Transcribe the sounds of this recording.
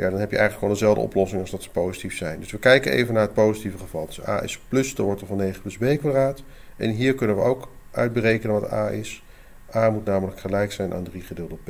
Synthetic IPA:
ja̰ːdɑnɦɛpjəʔɛ̰jxχənləkʋolˠənzɛlˠvdə̰ɔ̰plɔsɪŋɑlˠzdɑtsə̥powzitifsɛjndɵsʋəkɛjkənḛjvənaːɹət̚powzitivəχəv̥ɑlˠdəsa̰ːɪ̰splɵsdaɹʋɔɹtəvɑnejχəplɵzbejkʋadraːt | ɛ̰nɦiːɹkɵnənʋəowk | ʔœ̰ɥd̚bərejkənənʋɑta̰ːɪs | aːmutnaːmələkχəlɛjksɛjnʔa̰ːndriχədɪːlˠdəp

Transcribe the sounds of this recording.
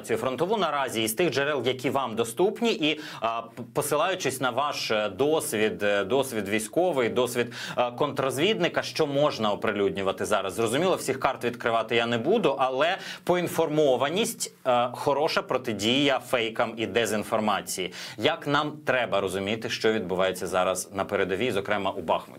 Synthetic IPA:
t͡sʲijʊfɾɔnt̪ɔʋunɐɾɑzʲiːzt̪ɪɣd͡ʒɛɾɛlˠjɐkʲiʋɑmd̪ɔst̪upnʲiʔi | pɔsɪlˠɑjʊt͡ʃɪsʲnɐʋɑʃd̪ɔsʲʋʲid̪d̪ɔsʲʋʲid̪ʋʲijsʲkɔʋɪjd̪ɔsʲʋʲid̪kɔnt̪ɾɔzʲʋʲid̪nɪkɐʃt͡ʃɔmɔʒnɐɔpɾɪlʲudʲnʲʊʋɐt̪ɪzɑɾɐzzrɔzʊmʲilˠɐwsʲixkɑrt̪ʋʲid̪kɾɪʋɑt̪ɪjanɛbud̪ʊʔɐlˠɛpɔinfɔrmɔʋɐnʲisʲtʲxɔɾɔʃɐpɾɔt̪ɪdʲijɐfɛjkɐmid̪ɛzʲinfɔrmɑt͡sʲijijɐknɑmt̪ɾɛbɐɾɔzʊmʲit̪ɪʃt͡ʃɔʋʲid̪bʊʋɑjet͡sʲːɐzɑɾɐznɐpeɾed̪ɔʋʲizɔkɾɛmɐʔubɑ̰xmʊ̰t̪ʲ

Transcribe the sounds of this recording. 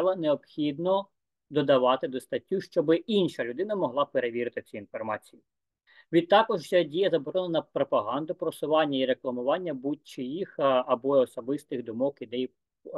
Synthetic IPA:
ʋˠɐneɔpxʲid̪nɔ | d̪ɔd̪ɐʋɑt̪ɪd̪ɔst̪ɐtʲːuʃt͡ʃɔbɪinʃɐlʲʊd̪ɪnɐmɔɦlˠɑpeɾeʋʲiɾɪt̪ɪt͡sʲiinfɔrmɑt͡sʲiji | ʋʲid̪̚t̪ːɑkɔʒjɛdʲijɐzɐbɔɾɔnɐnɐpɾɔpɐɦɑnd̪ʊpɾɔsʊʋɑnʲːɐiɾeklˠɐmʊʋɑnʲːɐbutʲt͡ʃɪjixɐbɔɔsɔbɪst̪ɪɣd̪ʊmɔkid̪ɛj

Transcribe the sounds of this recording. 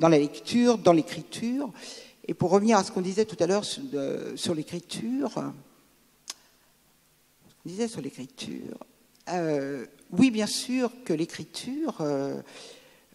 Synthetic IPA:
d̪ɑ̃lalɛkt̪ʰyːʁd̪ɑ̃lekχit̪ʰyːʁ | epuʁːəvniʁasə̥kɔ̃d̪izɛt̪ut̪alœʁsø̰syʁlekχit̪ʰyːʁ | sə̥kɔ̃d̪izɛsyʁlekχit̪ʰy̰ːʁ | ø | wibjɛ̃syːʁkəlekχit̪ʰyːʁø

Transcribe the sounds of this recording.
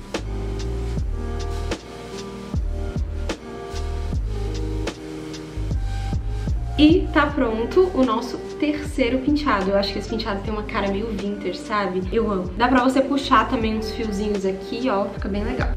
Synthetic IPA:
ɪt̪apɾõnt̪ʊʔʊnɔsʊt̪eɾsejɾʊpĩt͡ʃad̪ʊewaʃʊ̥kɪesɪ̥pĩt͡ʃad̪ʊt̪ẽj̃ũmɐkaɾɐmejʊvĩnt̪eɾsabɪewɐ̃mʊd̪apɾɐvosepuʃat̪ɐ̃mbẽj̃ũsfiwzĩɲʊzakʰiɔfi̥kɐbẽj̃leɡa̰w

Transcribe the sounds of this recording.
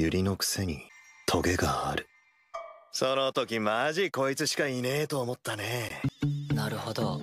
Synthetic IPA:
jɯɾʲino̞kɯ̟̥se̞ɲ̟it̪ʰo̞ɡe̞ɡaaɾɯ̟ | so̞no̞t̪o̞kʲimaʑiko̞it͡sɨɕi̥kaine̞ːt̪o̞ːmot̪ːane̞ | naɾɯ̟ho̞d̪o̰

